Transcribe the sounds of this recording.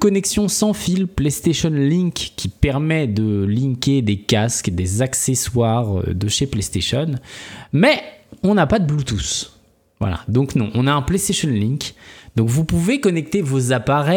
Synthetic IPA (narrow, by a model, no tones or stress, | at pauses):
kɔnɛksjɔ̃sɑ̃filplest̪eʃɔnlĩkʲkʲːipɛʁmɛd̪əlĩkʲed̪ekʲaskd̪ezakseswaʁø̰d̪əʃeplest̪eʃɔnmɛɔ̃napad̪əblut̪us | vwa̰la̰d̪ɔ̃knɔ̃ʔɔ̃naɛ̃plest̪eʃɔnlĩkʲd̪ɔ̃kvupuvekɔnɛk̚t̪evozapaʁɛ